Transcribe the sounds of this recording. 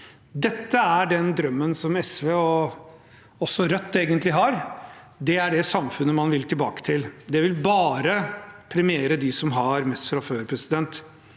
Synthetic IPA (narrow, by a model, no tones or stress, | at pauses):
d̪ɛt̪ːəæɖɛnd̪ɾœmːənsɔmɛsʋeːɔ | ɔsːɔɾœt̪ːeːɡənt̪lɪɦɑɾ | d̪ɛæɖɛsɑmfʉnːəmɑnʋɪlt̪ʰɪlbɑ̰ːkə̥t̪ʰɪld̪ɛʋɪlbɑːɾəpʰɾɛmɪeːɾəd̪ɪsɔmɦɑɾmɛst̪fɾɑføːɾpʰɾɛsɪd̪ɛnt̪